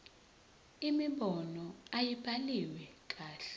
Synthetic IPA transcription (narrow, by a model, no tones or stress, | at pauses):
imiɓɔnɔajibʰʱaliwɛk̬ʼaːɬɛ̥